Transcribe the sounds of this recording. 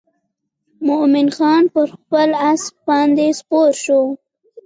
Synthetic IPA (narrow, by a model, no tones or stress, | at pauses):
mʊʔmɪnxɑnpəɾxpəlask̚bɑnd̪espoɾʃo